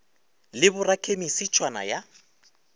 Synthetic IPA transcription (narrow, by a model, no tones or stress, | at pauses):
lɪbʊrakʰʼemisit͡ʃʼwana̰ja